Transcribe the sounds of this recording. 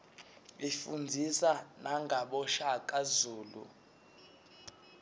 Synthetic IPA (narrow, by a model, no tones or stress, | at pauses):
ifund͡zʱisanaŋɡʱaɓɔʃakʼazuːlṵ